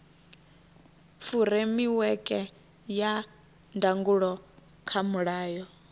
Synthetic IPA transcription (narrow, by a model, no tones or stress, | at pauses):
fuɾemiwɛkʼɛ | ja | ndaŋɡuɺɔ | kʰamuɺaːjɔ